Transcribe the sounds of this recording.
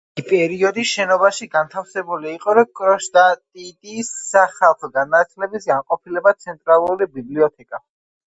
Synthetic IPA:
ipʼɛɾiɔd̪isʃɛnɔbaʃiɡant̪ʰafsɛbuliːqʼɔɾɔkʼɾɔʃt̪ʼat̪ʼit̪ʼisːaχalˠχɔɡanat̪sʰlɛbisɡanqʼɔpʰilɛbat̪sʰɛnt̪ʼɾalˠuɾibibliɔt̪ʰɛkʼa

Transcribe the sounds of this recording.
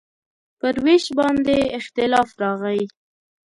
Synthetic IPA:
pəɾweʃbɑnd̪eɪxt̪ɪlɑfɾɑɣawi

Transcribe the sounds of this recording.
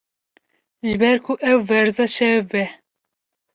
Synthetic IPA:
ʒɪbɛɾkʰuʔɛwvɛɾzɑʃɛbɛ

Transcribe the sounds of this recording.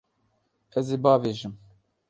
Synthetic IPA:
ɛzeːbɑːveːʒɨm

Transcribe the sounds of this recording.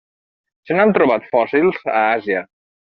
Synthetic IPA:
sənant̪ɾoβat̪fɔsilˠz̥a̰azjə

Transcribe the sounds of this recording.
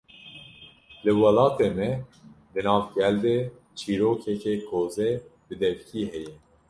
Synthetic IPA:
lɨwɑlɑːt̪eːmɛlɨnɑːvɡɛld̪eː | t͡ʃʰiːɾoːkʰɛkeːkʰoːzeːbɨd̪ɛvcʰiːɦɛjin

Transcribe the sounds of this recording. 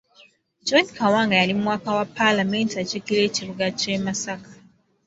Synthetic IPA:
d͡ʒɔnkawaŋɡajalimwakawapalamɛntat͡ʃikilɛt͡ʃiɾuɡat͡ʃɛmasakḁ

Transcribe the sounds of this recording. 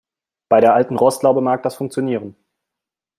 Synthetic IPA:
b̥aɪɾeːɐʔaltn̩ʁɔstlaʊbəmaːk̚d̥asfʊŋk̚t͡sjoniːʁən

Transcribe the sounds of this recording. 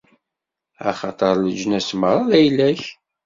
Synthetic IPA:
æχɑt̪ˤɑɾˤləd͡ʒənæsməɾˤɑðæjlæç

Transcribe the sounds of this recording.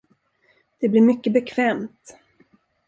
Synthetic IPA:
d̪̥ɛblɪɾmʏkːəbɛkʰvɛːmt̪

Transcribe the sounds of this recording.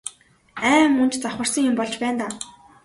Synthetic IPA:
æːmɵnt͡ɕt͡saχwə̆rsə̆ŋjʊmpɔɮt͡ɕpæːnt̪aː

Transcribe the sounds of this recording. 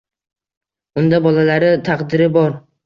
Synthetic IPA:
ʊnd̪abɒlalaɾɪt̪ʰaqd̪ɪɾɪbɒɾ

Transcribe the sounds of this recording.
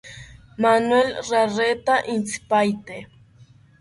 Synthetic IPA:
manwelɾaɾet̪aʔɪnt͡sɪ̥pajt̪e

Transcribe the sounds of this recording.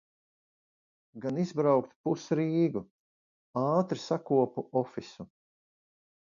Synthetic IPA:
ɡanizbɾawkt̪pusɾiːɡu | ɑːt̪ɾisakuɔpuʔɔfisu

